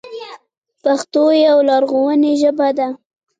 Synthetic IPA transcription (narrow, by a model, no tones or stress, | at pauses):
paxt̪ojawlɑɾɣowəneʒəbad̪a